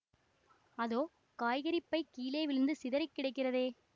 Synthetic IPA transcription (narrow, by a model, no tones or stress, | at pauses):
ɐðoː | kaːjɣɐɾɪpːɐɪkiːleːʋɪɾɯnd̪ɯsɪðɐɾɐɪkːɪɽɐɪkːɪrɐðeː